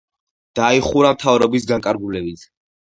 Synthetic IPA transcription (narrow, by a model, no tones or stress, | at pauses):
d̪̥aiχuɾamt̪ʰavɾɔbis̬ɡaŋkʼaɾɡulɛbit̪ʰ